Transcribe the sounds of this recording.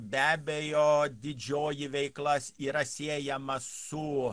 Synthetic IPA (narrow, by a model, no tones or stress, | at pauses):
bʲæːbʲɛjoːd̪ʲɪd͡ʒʲoːjɪʋʲɛɪklˠɐsiːɾɐsʲeːjɛmɐssʊ